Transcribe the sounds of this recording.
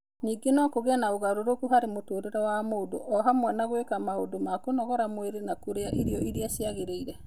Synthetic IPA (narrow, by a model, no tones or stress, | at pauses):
ɲiːɡenɔkoɣɛnaoɣaɾoɾokuhaɾemotoːɾeɾɔwamoːdo̰ʔɔɦamwɛnaɣwekamaodomakonɔɣɔɾamweɾenakoɾeaʔiɾiɔʔiɾiasiaɣeɾeiɾɛ